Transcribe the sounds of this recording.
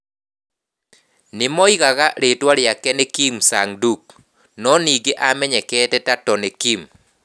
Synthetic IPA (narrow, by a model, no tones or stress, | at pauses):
nɪmɔiɣaɣaɾetwaɾjakɛnɛkimsaŋduk̚ | nɔniɡeʔamɛɲɛkɛtɛtatɔnɛkim